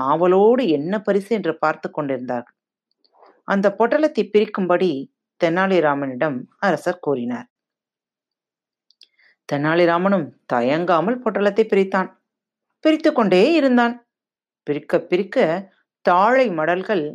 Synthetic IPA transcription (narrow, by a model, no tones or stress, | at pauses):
aːʋɐloːɽɯɛnːɐpɐɾɪsɯɛndrɯpaːɾt̪ɯkːɔɳɖɪɾɯnd̪aːɾɣɐɭ | ʔɐnd̪ɐpoːʈːɐlɐt̪ːɐɪpːɪɾɪkːɯmbɐɽi | t̪ɛnːaːɭɪɾaːmɐnɪɽɐmɐɾɐsɐɾkuːɾɪna̰ːɾ | t̪ɛnːaːɭɪɾaːmɐnɯmt̪ɐjɐŋɡaːmɐlpoːʈːɐlɐt̪ːɐɪpːɪɾɪt̪ːaːn | pɪɾɪt̪ːɯkːɔɳɖeːɪɾɯnd̪aːn | pɪɾɪkːɐpːɪɾɪkːɐ | t̪aːɻɐɪmɐɽɐlɣɐɭ